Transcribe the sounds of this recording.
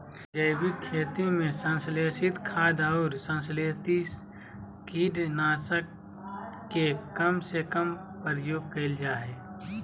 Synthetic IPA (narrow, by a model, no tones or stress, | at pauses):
d͡ʒəɪbikʰeːt̪imẽsə̃nsleːsɪt̪kʰaːd̪ɔːɾsə̃nsleːt̪i | kiːɖnaːsəkː | ekəmsekəm | pəɾjoːɡ̚kɐɪld͡ʒaːɦeː